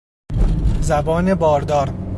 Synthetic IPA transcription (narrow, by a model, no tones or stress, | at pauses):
zæbɒːnebɒːɾd̪ɒːɾ